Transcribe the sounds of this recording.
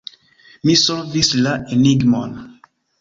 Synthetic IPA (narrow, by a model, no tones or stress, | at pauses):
misɔɾvislaʔeniɡmo̰n